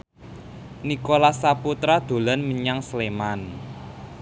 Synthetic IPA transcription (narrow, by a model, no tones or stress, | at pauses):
nikolasaput̪ɾad̪̥o̤lanmiɲaŋsleman